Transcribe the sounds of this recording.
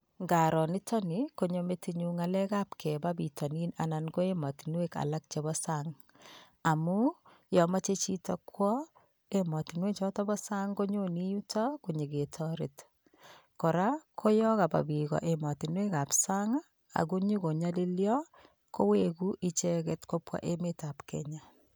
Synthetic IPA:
ŋɡa˨ɾɔ˨nɪ˦tɔ˦niko˦ɲome˦tiɲu˦ŋalɛ˦ka˦pkʰɛ˨babi˨tʰɔ˨ni˦na̰˨na˨nko˦e˦mɔ˨ti˨nweka̰˨la˦k̚t͡ʃe˨βɔ˦saŋ | a˨mu˦ | jɔ˨ma˦t͡ʃe˦t͡ʃi˦tɔ˦kʰwɔ˦ | emɔ˨ti˨nwe˦t͡ʃɔ˦tɔ˦bɔ˦sa˦ŋɡo˦ɲo˦ni˦ju˦ta˦kuɲe˨ɡe˨tʰɔ˦ɾɪ̰˨t | kɔ˨ɾa˦kʰo˦jɔ˦ka˨ba̰˨bi˨ɣɔ̰˨ʔe˨mɔ˨ti˨nwe˦ka˨psa˦ŋa | a̰˨ku˦ɲi˦ko˨ɲa˦li˦ljɔ˦ | ko˦weku˦ʔit͡ʃɛ˦kɛ˦tko˦pwa̰˦ʔe˦me˦ta˨pkɛ̰ɲa

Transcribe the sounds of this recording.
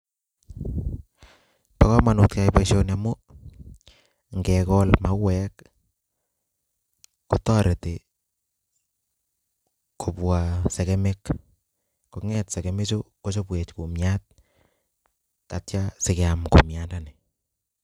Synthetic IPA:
pa˨kɔ˦ma˨nu˨tka˨jpe˦ʃo˦na˨mo˦ | ŋɡɛkɔ˦lma˦wɛ˦k | o˨tɔ˦ɾe˨te˨ | ko˨pwa˨sɛ˨kɛme˦k | ko˨ŋɛtse˨ke˨me˦t͡ʃo˦ko˦t͡ʃo˦pwe˨t͡ʃku˨mja˦t̚ | ka˨tt͡ʃa˦se˨ke˨a˨mko̰˨mjandane˨

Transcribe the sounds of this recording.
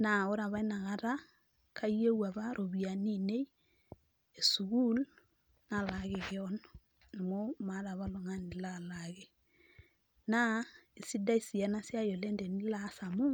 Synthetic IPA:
na˨o˦ɾa˨βa˦i˦na˨ɣa˦ɾa˦ | kʰa˦i˦e˦wa˨βa˦ɾo˨βi˨a˨ni˦˨ne˦i˦ | e˨su˨ɣu˦l | na˨la˨ɣe˨ɣeɔn | na˨mo˦ma˨ɾa˨βa˦lo˨ŋa˦ni˨la˨laɣe˨ | na˦e˨si˦da˦i˦si˨a˨na˦sja˦jo˨lɛ˦nde˨ni˦la˦sa˨mo˦

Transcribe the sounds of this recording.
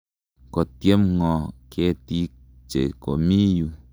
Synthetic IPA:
ko˨t̪je˦mŋɔ˨kʰe˦t̪i˦ | t͡ʃḛ˨ko˨mi˦ju˨

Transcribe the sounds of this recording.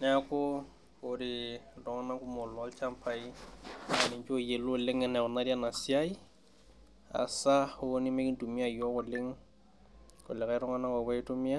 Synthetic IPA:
nɛ˦a˦kʊ˦ | ʊ˨ɾɪ˨rɔ˨ŋa˦na˦kʊ˦mʊ˨lɔ˦lt͡ʃʰa˦m˦pʰa˨i˦˨ | nɪ˨ɲt͡ʃo˦je˨lʊ˦lɪ˦ŋɛ˨nɛ˨ʊ˨na˦di˦a˦na˨si˦a˦i˦ | a̰˨sa˦hʊ˦nɪ˦me˦kɪ˦n̩˦tu˨mi˦a˦˨jɔ˦kʊ˨lɪ˦ŋ | kʊ̰˨lɛ˨ka˦ɾɔ˦ŋa˦na˦kɔ˨wɛ˦ɪ˦tʊ˦mi˦a˦

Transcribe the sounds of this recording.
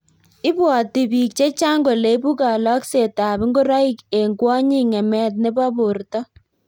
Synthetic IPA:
ɪ˦bwɔ˨ti˨bi˨k̚t͡ʃe˦t͡ʃa˦ŋɡo˨le˨˦bu˦ka˨lɔ˦kse˨ta˨bɪ˦ŋɡo˦ɾɔ˦i˦ke˨ŋɡwɔ˦ɲi˦ŋɛ˨mɛ˦t̬̚ne˦bɔ˦bo˨ɾtɔ˦

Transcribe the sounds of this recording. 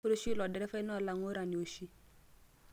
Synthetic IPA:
ɾo˦ʃi˦lɔ˨dɛ˨ɾɛ˦fɛ˦nɔ˦˨la˨ŋo˦ɾa˨ni˨o˨ʃi˦

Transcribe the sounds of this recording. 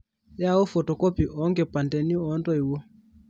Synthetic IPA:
ja˦˨o˦fɔ˨tɔ˨kɔ˦pi˨ʔɔ˨˦ŋɡe˨pa˨ndɛ˨ni˦ɔ˦ndɔ˦i˨wo˦

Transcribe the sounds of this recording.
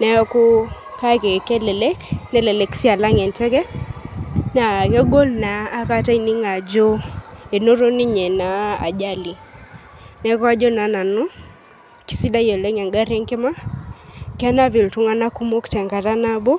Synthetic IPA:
nɛ˨ɔ˦kɔ˦ | ka˦ke˨kɛ˦lɛ˨lɛ˦knɛ˦lɛ˨lɛ˨ksi˦a˨la˦ŋɛ˨ntɛ˦kɛ˦ | na˨kɛ˦ɡo˦lnaː˨˦ka˦ta˦i˨ni˦ŋa˨d͡ʒɔ˦e˨no˦ɾo˦ni˦ɲɛ˨na˨a̰˨d͡ʒa˦li˨ | nɛ˨˦kɔ˦a˦d͡ʒɔ˦na˨na˨nu˦ | ki̥˨˦si˦da˦jɔ˨lɛ˦ŋɛ˨ŋɡa˦ɾɛ˦ŋkɛ˦ma˦ | kɛ˦na˦vi˨ltu˦ŋa˦na˦ku˦mo˦kt͡ʃɛ˨ŋka˨ta˦na˦bɔ˦

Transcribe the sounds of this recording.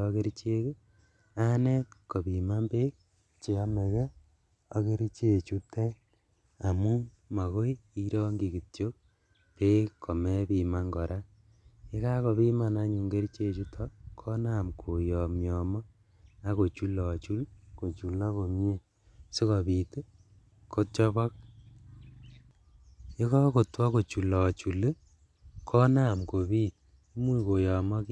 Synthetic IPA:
ɔ˦ke˦ɾit͡ʃe˦ke˦ | a˦ne˦tko˨bi˨ma˦mbe˦k̚ | t͡ʃe˨a˦me˨ɣɛ˦ | ɔ˦ke˦ɾi˦t͡ʃe˨t͡ʃu˦te˦ | a˨mu˦ | ma˨ɣo˦i˦i˦ɾɔ˦ŋɡi˨ki˨tjo˦k̚ | pe˦kʰːo˨me˦bi˨ma˦ŋɡɔ˨ɾʔa˦ | e˦ka˦ko˨βi˦ma˨na˦ɲu˨ŋɡe˦ɾi˦t͡ʃe˦˨t͡ʃu˦tʰɔkʰɔ˦na˦˨mkʰo˨jɔ˨mjɔ˨mɔ˦ | a˦ko˨t͡ʃu˦lɔ˨t͡ʃu˦lko˨t͡ʃu˨la˦ko˨mje˦ | si˦kɔ˨pi˨t | kʰo˦t͡ʃɔ˦βɔ˦k̚ | e˦kɔ˦ko˨twa˦ko˨t͡ʃu˨lɔ˨t͡ʃu˨le˦ | kʰɔ˦na˦˨mko˨bi˦t | mu˦ko˨jɔ˨mɔ˦k

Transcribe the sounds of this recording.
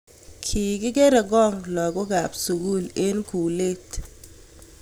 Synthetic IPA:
kʰi˨kɪ˦ɡe˦ɾe˨ɡɔ˦˨ŋlɔ˨ɡʊ˦ɡa˨psu˨ɡu˦˨le˦nku˨le˦t

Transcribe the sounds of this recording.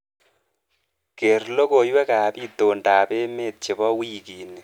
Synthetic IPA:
ke˨rlo˦ko˨jwɛ˦ka˨pi˦to˨nda˨pe˦me˦˨t̚t͡ʃe˨bɔ˦wi˦ki˨ne˨

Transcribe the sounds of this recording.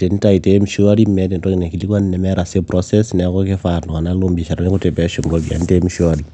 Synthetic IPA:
te˨n˦ta˦i˨tem˦ʃu˦a˦ɾi˦mɛ˦te˨ntɔ˦ki˨nɛ˨ki˨li˦ka˦nnɛ˨mɛ˦ɾa˨se˦pɾɔsɛ˦snɛ˨˦kɔ˦ke˦fa˨nɔ˨ka˨na˦lo˦mbi˨ʃa˨ɾa˦ne˦ku˦te˨pɛ˦ʃo˨mɾo˦ɡia̰˨nte˦mʃu˦aɾi˦

